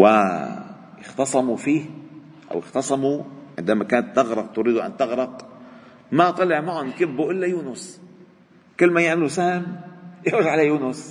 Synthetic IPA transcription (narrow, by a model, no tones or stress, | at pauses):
wɪ | jɪxt̪ɑsˤɑmufiːh | ʔa̰wɪxt̪ɑsˤɑmuʕɪ̰nd̪amakaːnat̪ːaɣɾˤɑqt̪ʊɾiːd̪uʔa̰nt̪ɪɣɾɑq | mat̪ˤɑlɪʕmaʕʊnkɪbːuʔɪlːajuːnʊs | kɪlːmajɪʕmɪlusahɪmjɪɣʒʕalajuːnʊs